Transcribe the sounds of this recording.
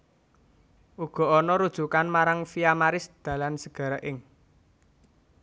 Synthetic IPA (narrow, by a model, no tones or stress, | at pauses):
ʔuɡ̥ɔ̤ʔɔnɔɾud̥ʒ̥ṳkanmaɾaŋfiamaɾɪsd̪̥ä̤lansəɡ̥a̤ɾəʔɪŋ